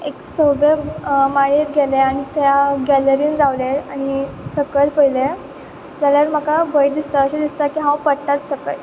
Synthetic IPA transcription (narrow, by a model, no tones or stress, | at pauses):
eksobeɾmaɭiɾɡeleaɽ̃it̪jaɡɛləɾiːnɾaʋleaɽ̃isəkəlpəile | d͡zaljaʋəɾm̤əkabəjd̪ist̪aəɕed̪ist̪akiɦãwpəɽʈat̪səkə̰j